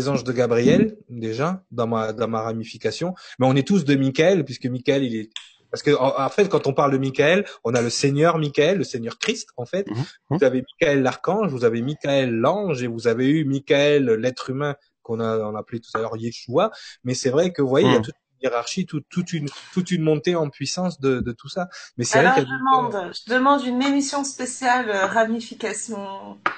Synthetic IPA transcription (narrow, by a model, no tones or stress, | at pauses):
zɑ̃ʒd̪əɡabʁiɛld̪eʒad̪ɑ̃mad̪ɑ̃maʁamifikasjɔ̃mɛɔ̃nɛt̪us̬d̪əmikaɛlpɥiskəmikaɛlilɛ | paʁsə̥kəɑ̃ɑ̃fɛt̪̚kɑ̃t̪ɔ̃paʁld̪əmikaɛlɔ̃naləseɲjœʁmikʲaɛlːəseɲœʁkχist̪ɑ̃fɛt̪vuzavemikʲaɛlːaʁkɑ̃ʒvuzavemikaɛlːɑ̃ʒevuzaveymikaɛlːɛt̪χymɛ̃ | kɔ̃naɔ̃naːplet̪u̥t̪alœʁjeʃuamɛsɛvʁɛkəvwajeiljat̪ut̪ynjeʁaʁʃit̪ut̪ːut̪ynt̪ut̪ynmɔ̃t̪eɑ̃pɥisɑ̃sd̪əd̪ət̪usamɛsɛvʁɛkkjamɑ̃d̪ʒəd̪əmɑ̃d̪ynemisjɔ̃spesjaløʁamifikasjɔ̃